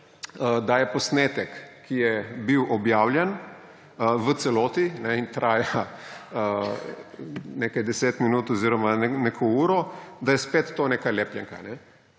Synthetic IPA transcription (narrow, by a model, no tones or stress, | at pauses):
əd̪ajɛpɔsneːt̪ɛkː | ijɛbiwʔɔbjaːwlʲjɛn | ʋət̪sɛloːt̪inɛint̪ɾaːjaə | nekajd̪ɛseːt̪minuːt̪ɔziɾɔmanenekʰɔuːɾɔd̪ajɛspeːt̪ːoːnekalɛːplʲjɛŋka̰nɛ